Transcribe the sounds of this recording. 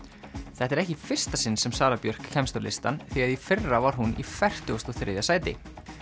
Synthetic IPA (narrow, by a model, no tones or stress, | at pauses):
θɛht̪ɛɾɛhcɪfɪr̥st̪asɪnːsɛmsaːɾapjœr̥kcʰɛmst̪ɔɾlɪ̰st̪anθiaðifɪrːavaɾ̥ɦunifɛr̥t̪ʏost̪ɔθɾɪ̰ːðasaːjt̪ɪ̰